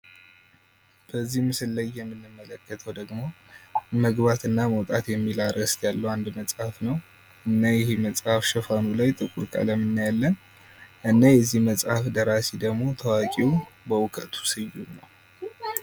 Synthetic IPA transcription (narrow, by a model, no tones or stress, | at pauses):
b̥əzːihmɨsɨlːəjːɛmːɨnːɨmːələkːət̪ʰəwd̪əɡmo̞ | məɡbat̪ɨnːaməwt̪ʼat̪jɛmːilaɾəst̪jalːəwand̪məsʼhafnəw | ʔɨnːajɪheməsʼhafʃəfanulajt̪ʼɨkʼuɾkʼa̰ləmːɨnːajalːən | ɨnːajɛzːihməsʼhafd̪əɾased̪əɡmo̞t̪ʰəwakʼiwbəwʊkʰət̪ʰu̥sɨjːunəw